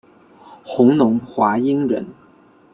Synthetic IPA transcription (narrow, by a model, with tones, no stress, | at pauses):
xʊ˧˥ŋnʊ˧˥ŋxwa˧˥i˥ŋɻə̰˧˥n